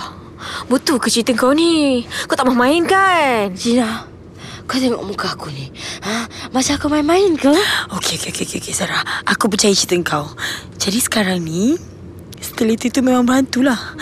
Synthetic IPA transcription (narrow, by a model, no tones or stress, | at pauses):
but̪ukət͡ʃit̪əŋkawniakawt̪aʔmamainkand͡ʒina | kat̪eŋɔ̰ʔmukaakuniamasaːkamainmaɪnkəokeokeokeokeokesaɾahʔakupət͡ʃajit͡ʃit̪əŋkaw | d͡ʒadisə̥kaɾaŋni | sə̥t̪əlit̪uit̪umemãŋbəɾant̪ulah